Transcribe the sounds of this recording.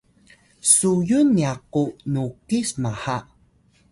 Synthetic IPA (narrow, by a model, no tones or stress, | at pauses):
sujunːiaqunukismaha